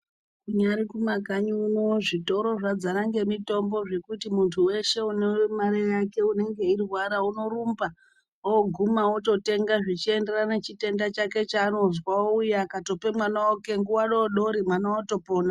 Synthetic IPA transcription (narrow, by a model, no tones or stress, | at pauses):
kuɲaɾikumakaɲunoʐito̞ɾo̞ʐad͡zanaŋɡe̞mito̞mbo̞ʐe̞kutimuntʰuwe̞ʃe̞unemarejake̞une̞ŋɡe̞irwaɾauno̞rumba | oɡʱumaoto̞te̞ŋɡaʐit͡ʃie̞nde̞ranet͡ʃite̞ndat͡ʃake̞t͡ʃaːno̞zwaujakato̞pe̞mwanaoke̞ŋɡuwaɗo̞ɗo̞ɾimwanawoto̞po̞ːna